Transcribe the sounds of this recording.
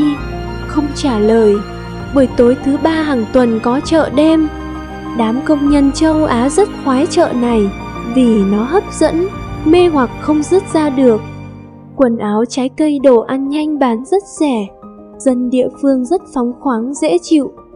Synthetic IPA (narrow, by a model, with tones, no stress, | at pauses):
i˧ | xə˧wŋ͡mt͡ɕaː˧˩ləː˨˩j | ɓəː˧˩jt̪o˨˦jt̪ʰɨ˨˦ɓaː˧ɦaː˨˩ŋt̪wə˨˩nkɔ˨˦t͡ɕə̰ː˧˨ɗe˧m | ɗaː˨˦mkə˧wŋ͡mɲə˧nt͡ɕə˧wʔaː˨˦zə˦˥t̚xwaː˨˦jt͡ɕə̰ː˧˨na˨˩jvi˨˩nɔ˨˦ɦə˦˥p̚z̥ə̰˧˥nme˧hwa˨˩k̚xə˧wŋ͡mzɨ˦˥t̚zaː˧ɗɨ˨˩ək̚ː | wə˨˩nʔaː˨˦wt͡ɕaː˨˦jkə˧jɗo˧˩ʔa˧nɲa˧jŋ̟ɓaː˨˦nzə˦˥t̚sɛ˧˩ | z̥ə˧nɗḭ˧˨əfɨ˧əŋzə˦˥t̚fɔ˨˦wŋ͡mxwaː˨˦ŋzḛ˧˥t͡ɕḭ˧˨w